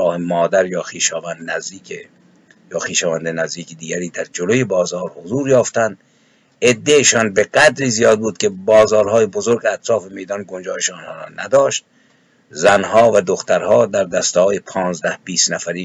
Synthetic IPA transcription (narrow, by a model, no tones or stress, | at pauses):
ɒːhemɒːd̪æɾjɒːxiːʃɒːvænd̪næzd̪iːkʰe | jɒːxiːʃɒːvænd̪enæzd̪iːkʰed̪iːɡʲæɾiːd̪æɾd͡ʒolojebɒːzɒːɾhozuːɾjɒːft̪ænd̪ | ʔed̪ːeeʃɒːnbeɡæd̪ɾiːzijɒːd̪̚buːd̪̚kʲʰebɒːzɒːɾɦɒːjebozoɾɡeæt̪ʰɾɒːfemejd̪ɒːnɡond͡ʒɒːjeʃnhɒːɾɒ̰ːnæd̪ɒːʃt̪̚ | zænɦɒːvæd̪oxt̪æɾhɒːd̪æɾd̪æst̪ehɒːjepʰɒːnzd̪æhbiːst̪næfæɾiː